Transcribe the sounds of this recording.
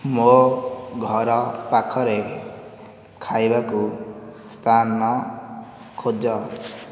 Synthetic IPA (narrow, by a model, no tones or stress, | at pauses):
moɡʱɔɾɔpakʰɔɾe | kʰajbakust̪ʰanmɔ | kʰod͡ʒɔ